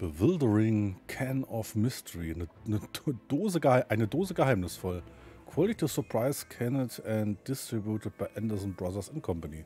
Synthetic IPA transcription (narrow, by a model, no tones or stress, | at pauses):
b̥əvɪldəʁɪŋkʰɛnɔfmɪstʰəɹinənəd̥oːzəaɪʔaɪnədoːzəɡəhaɪmnɪsfɔlkʰw̥ɔlitʰisɔɐpʰʁ̥aɪskʰɛnətɛ̃ntd̥ɪstʁ̥ibjutət̚b̥aɪʔɛndəzn̩bʁaðɐsɪnkʰɔmpani